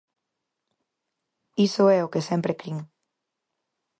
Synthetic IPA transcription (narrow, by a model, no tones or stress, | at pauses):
isoɛokesɛmpɾekɾiŋ